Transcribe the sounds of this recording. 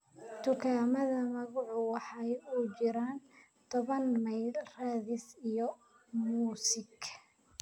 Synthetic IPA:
t̪ʰʊkʰaːmɐðɐmɐɣʊʕʊwɑħɑjut͡ʃɪɾaːn | t̪ʰɔβɐnmɐjlraːðɪsijɔ | muːsɪɡ

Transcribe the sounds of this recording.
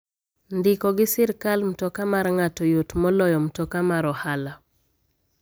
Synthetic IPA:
ndɪkɔɡɪsɪɾkalm̩tɔkamarŋatɔjotmɔlɔjɔm̩tɔkamaɾɔhala

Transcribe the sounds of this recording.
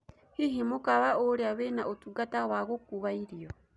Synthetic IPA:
hiɦimukaβaoɾeaβenaʔotuɡatawaɣokuβaiɾjɔ

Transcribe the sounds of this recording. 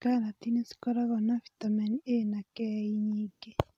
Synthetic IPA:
kanat̪inesi̥kɔɾaɣɔnafi̥t̪amɛnienakɛiɲiːɡe

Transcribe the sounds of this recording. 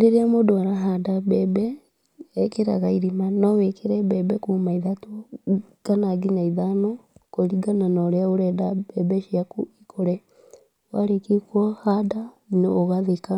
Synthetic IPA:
ɾeɾeamodoaɾaɦadabɛbɛː | keɾa̰ɣaiɾimanɔwekʰeɾɛbɛbɛkumaiðato | kanaɡiɲaiðanɔkoɾiɡananɔɾeaoɾɛdabɛbɛʃiakuikʰoɾɛ | waɾekikwahada | neoɣaðeka

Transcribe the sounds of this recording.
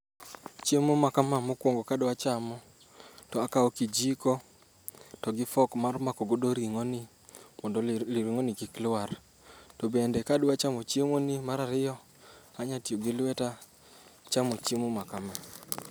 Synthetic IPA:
t͡ʃjemomakamamokwoŋɡokadwat͡ʃamɔ | tɔakaɔkid͡ʒikɔ | tɔɡɪfɔkmarmakɔɡodoɾiŋonɪ | mɔndɔliɾiŋonɪkiklwar | tɔbendɛkadwat͡ʃamɔt͡ʃjemonɪmaɾaɾɪjɔ | aɲatjoɡɪlwɛta | t͡ʃamot͡ʃjemomakama

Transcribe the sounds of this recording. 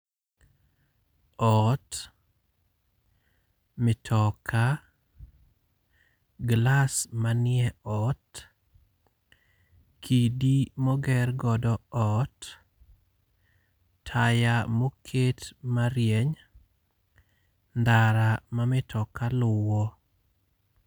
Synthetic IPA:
ɔt | mɪtʰɔkʰa | ɡlasmanɪɛɔt | kʰidimɔɡɛrɡɔdɔɔt | tʰajamokʰetmaɾjeɲ | ndaɾamamɪtʰɔkalʊwɔ

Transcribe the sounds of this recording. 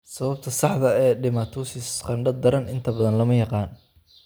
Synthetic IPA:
sɐβɐb̚t̪ʰɐsɑħðɐɛːɖɪmaːt̪ʰuːsɪsqɑɳɖɐd̪ɐɾɐnʔɪnt̪ʰɐbɐðɐnlɐmɐjɑqɑːn

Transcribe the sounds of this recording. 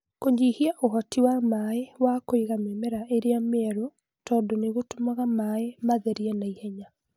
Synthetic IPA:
koɲd͡ʒihiaʔoɦɔtiwamaewakoiɣamemɛɾaʔeɾeamɛɾo | tɔːndoneɣotomaɣamaemaðɛɾiɛnaihɛɲa

